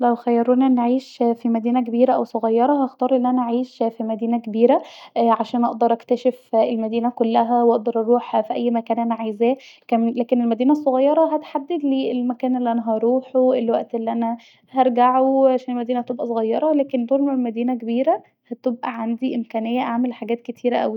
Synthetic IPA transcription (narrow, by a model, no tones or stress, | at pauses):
læwxæjːɑɾˤuːniʔenːʕiːʃfimæd̪iːnæk̬ebiːɾæʔæwsˤoɣɑjːɑɾˤɑhɑxt̪ɑːɾˤʔelːiʔænæʔaʕiːʃfimæd̪iːnækebiːɾæʕaʃæːnʔɑʔd̪ɑɾˤʔækt̪æʃefelmæd̪iːnækolːæɦæwʔɑʔd̪ɑɾˤʔɑɾˤuːħfiʔæjːmækæːnʔænæʕajzæːkæmlæːkenelmæd̪iːnæs̬ˤːoɣɑjːɑɾˤɑɦæt̪ħad̪ːed̪liːelmækæːnʔelːiʔænæɦæɾˤuːħoelwæʔt̪ʔelːiʔænæ | hɑɾˤɡaʕoʕaʃæːnelmæd̪iːnæhæt̪ebʔæsˤoɣɑjːɑɾˤɑlæːkend̪oːɾmeelmæd̪iːnækebiːɾæ | hæt̪obʔæʕand̪iʔemkæːnejːæʔaʕmelħaɡæːt̪ket̪ʰiːɾæʔæ̰wi